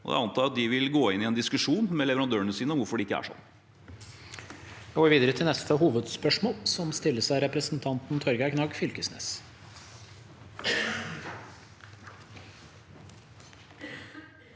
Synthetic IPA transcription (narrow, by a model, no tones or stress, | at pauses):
ɔd̪ɛ̰ɑnt̪ɑːɾɑt̪̚d̪ɪʋɪlɡoːɪnːɪɛnd̪ɪskʉʂuːnmɛlɛʋəɾɑnd̪øːəɳəsiːnəʋʊɾfɔɖɪɪkːəæ̰ʂɔ̰nː | jɑɡoːɾʋiːd̪əɾət̪ʰɪlnɛst̪ʰəɦuːʋəd̪spœʂmoːlsɔmst̪ɪlːəʂæɪɾɛpɾəsənt̪ʰɑnt̪n̩t̪ʰɔɾɡɑkʰnɑːɡfʏlkəsnḛːs